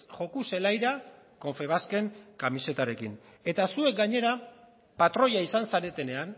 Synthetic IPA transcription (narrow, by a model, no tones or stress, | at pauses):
ʝo̞kuse̞lajɾa | ko̞ɱfe̞β̞aske̞ŋkamise̞t̪aɾe̞kin | e̞t̪asue̞k̚ɡaɲe̞ɾa | pat̪ɾo̞ʎaisansaɾe̞t̪e̞ne̞an